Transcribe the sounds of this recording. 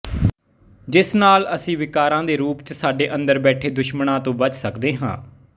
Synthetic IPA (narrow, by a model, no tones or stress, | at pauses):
d͡ʒɪsnaːləsĩːʋɪkaːɾãːd̪eːɾuːpt͡ʃsaːɖeːʔə̃nd̪əɾbɛːʈʰeːd̪ʊʃməɳãːt̪õːbət͡ʃsəkd̪eːɦã̰ː